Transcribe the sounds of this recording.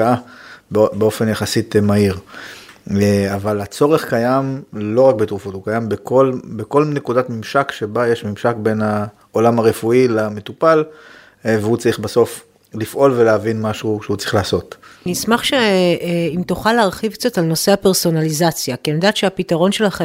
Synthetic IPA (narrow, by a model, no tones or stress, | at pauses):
aabbeo̞fenjaχasitmaiʁ | avalat͡so̞ʁeχkajamlo̞ʁak̚betʁufotukajambekolbeko̞lnekudatmimʃakʃebajeʃmimʃakbe̞na | olamaʁefuilame̞tupal | veut͡saʁiχbaso̞f | lifʔo̞lveleavinmaʃuʃehut͡saʁiχlaːso̞tnismaχʃeimtuχaleaʁχivt͡sotalno̞se̞apeʁso̞nalizat͡sjakianodaːt̪ʃeapitaʁo̞nʃelaχe